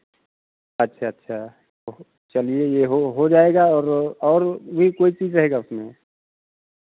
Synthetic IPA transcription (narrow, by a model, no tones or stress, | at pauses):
ɐtːʃʰaɐtːʃʰa | t̪o | t͡ʃɐliejeɦoɦod͡ʒaːeɡaɔːɾɔːɾbʱikoːit͡ʃiːd͡ʒɾɐɦeːɡaʊsmẽ